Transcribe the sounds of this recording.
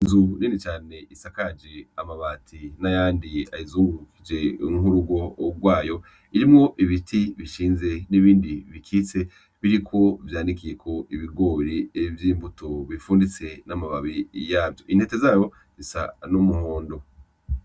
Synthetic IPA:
inzuninit͡ʃaːne̞isakad͡ʒeamaβaːtʰinajaːndia̰izuːŋɡukʰid͡ʒe̞ŋuɾuɡo̞ɡwaːjo̞ | iɾimŋo̞ʔiβitʰiβiʃiːnze̞niβiːndiβikʰit͡se̞ | βiɾikʰo̞vjaːndikije̞kʰo̞ʔiβiɡo̞ːɾivjiːmbutoβifuːndit͡se̞namaβaβijaːvjoʔin̥he̞te̞zaːjo̞ | zisa̰numuhoːndo̞

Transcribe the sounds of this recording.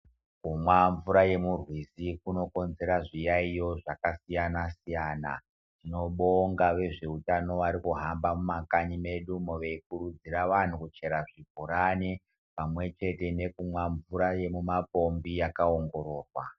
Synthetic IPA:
kumwaɱvuɾaje̞murwisikuno̞ko̞nze̞ɾaʐijaijo̞ʐakasijanasijaːna̰ | tino̞ɓo̞ŋɡaʋe̞ʐe̞utano̞ʋaɾikuɦambamumakaɲime̞ɗumoʋeikurud͡ziraʋan̤ukut͡ʃe̞ɾaʐibʱuɾani | pamwe̞t͡ʃe̞te̞ne̞kumwaɱvuɾajemumapo̞mbijakaoŋɡo̞ɾo̞ːrwa̰

